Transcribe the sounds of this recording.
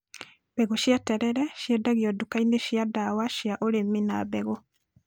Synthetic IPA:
b̥ɛɣoʃjatɛɾɛɾɛʃjɛdaɣiɔdukaineʃjadawaʃijaʔoɾemːinabɛɣo

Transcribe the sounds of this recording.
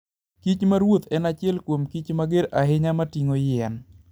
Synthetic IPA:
kit͡ʃmaɾwot̪ɛnat͡ʃɪɛlkwomkit͡ʃmaɡeɾaɦɪɲamatiŋojɛn

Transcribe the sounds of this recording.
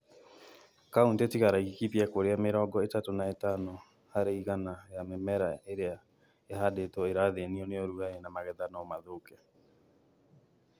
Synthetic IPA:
kauntetikaɾaikikipiakoɾeameɾɔːɡɔetatonaetano | haɾeiɣanajamemɛɾaeɾea | ehadetoeɾaðeniɔneoɾuaenamaɣɛðanɔmaðokɛ

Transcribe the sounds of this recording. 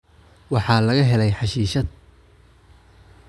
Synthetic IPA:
wɑħɑːlɐɣɐɦɛlɛjħɑʃiːʃɐd̪

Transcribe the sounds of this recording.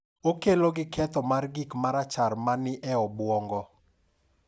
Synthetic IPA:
okeloɡɪkʰɛt̪ɔmarɡɪkmaɾat͡ʃarmanɪʔɛɔbwɔŋɡɔ

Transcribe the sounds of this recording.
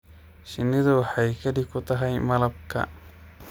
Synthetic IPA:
ʃɪnːɪðɐwɑħajkʰɐd̪ɪkʰːʊt̪ʰɐɦɐjmɐlɐb̚kʰɐ̰

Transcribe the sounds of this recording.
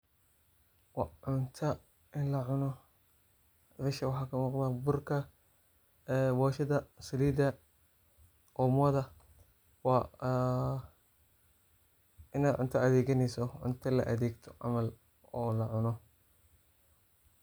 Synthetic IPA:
wɑʕʊnt̪ʰɐ | ɪnlɐʕʊnɔ | bɛʃɐwɑħɑːkʰɐmuːqd̪abʊrkʰɐ | wɔːʃɐðɐsɐliːd̪ɐ | ʔɔːmɔːðɐ | wɑː | ɪnaːdʕʊnt̪ʰɐɐðɛːɣɐnɛjsɔʕʊ̰nt̪ʰɐlɐ̰ʔɐðeːɡt̪ʰɔ̥ʕɑ̰mɐl | ɔːlɐʕʊnɔ

